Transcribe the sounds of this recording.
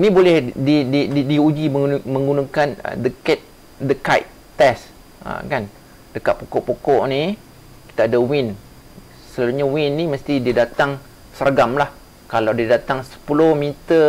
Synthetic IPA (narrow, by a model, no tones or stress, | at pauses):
nĩbolɛhdidididiud͡ʒiməmə̃ŋɡunãkanə̰dəkɛt̪̚ | dəkajt̪ | t̪ɛs | ə̰kan | d̥əkaʔ̪̚pokɔʔpokɔʔni | ki̥t̪aːdawɪn | səlaluɲawɪnːiməst̪ididat̪aŋ | səɾaɡamlah | kalawdiadat̪aŋsə̥pulohmit̪ə